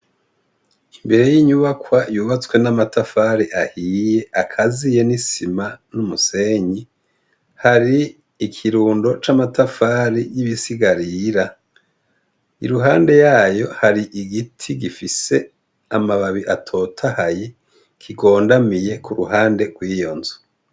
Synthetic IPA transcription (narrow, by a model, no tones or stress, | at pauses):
imbe̞ɾe̞jiːɲuβakwajuːβat͡swe̞namatafaːɾiʔahiːje̞akʰazije̞nisimanumuse̞ɲi | haɾiː | kʰiɾuːndo̞t͡ʃamatafaɾijiβisiɡaɾiɾa | ḭɾuɦaːnde̞jaːjo̞haɾiʔiɡitʰiɡifise̞ | amaβaβiʔatʰo̞ːtʰahaji | kʰiɡo̞ːndamije̞kʰuɾuɦaːnde̞ɡwiːjo̞nzu